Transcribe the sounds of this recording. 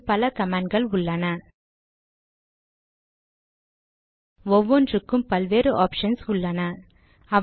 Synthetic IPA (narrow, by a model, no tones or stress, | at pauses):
pɐlɐkɐmaːɳɖɡɐɭʊɭːɐnɐ | ɔʋːɔndrɯkːɯmpɐlʋeːɾɯʔaːpʂɐnsʊɭːɐnɐ | ɐ